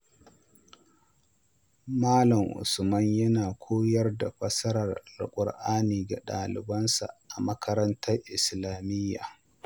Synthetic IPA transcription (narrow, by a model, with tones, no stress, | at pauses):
maː˦lɐ˨ŋʔʊ̰˨smɐ˦ɲjɐ˦naː˨kʷʰoː˦jɐ˦rda˨ɸʷʼɐ˦sɐ˦ɾɐ˨rlʊ̰˨kʷʼʊ˨ɽʔaː˦niː˨ɡa˨ɗaː˨lɪ̰˨bɐ˦nsa̰˨ʔa˨mɐ˦kʰɐ˦ɾɐ˦ntʰɐ˦rʔɪ˨slaː˨mɪ˦jːa̰ː˨